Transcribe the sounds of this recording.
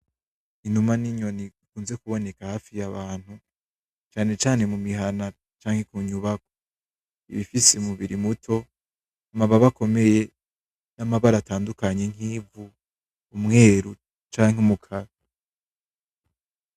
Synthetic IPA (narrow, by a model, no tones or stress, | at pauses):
inumaniɲo̞nikuːnze̞kuβo̞ne̞kahaːfijaβaːn̥hu | t͡ʃaːne̞t͡ʃaːnemumiɦana | t͡ʃaːŋ̥e̞kuːɲuβako̥ | ḭβifiseumuβiɾimutʰo̞ | amaβaβako̞me̞je̞ | namaβaɾataːndukaɲeŋ̥iːvuː | mŋe̞ːɾu | t͡ʃaːŋɦumukʰaɾa